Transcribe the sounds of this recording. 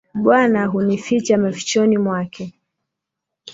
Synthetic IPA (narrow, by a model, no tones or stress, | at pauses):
ɓwanaɦunifit͡ʃamafi̥t͡ʃɔnimwakʰɛ